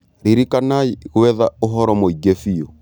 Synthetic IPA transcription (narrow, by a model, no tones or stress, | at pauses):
ɾiɾikanaiɣwɛðaoɦɔɾɔmoiɡɛfiɔ